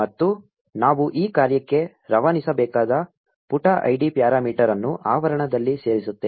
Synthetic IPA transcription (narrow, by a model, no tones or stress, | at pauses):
mɐt̪ːu | naːʋuʔiːkaːɾjɐkːe̞ | ɾɐʋanisɐbɛːkaːd̪ɐ | puʈaʔɐ̰jɖipjaːɾaːmiːʈɐɾɐnːuʔaːʋɐɾɐɳɐd̪ɐlːise̞ːɾisut̪ːe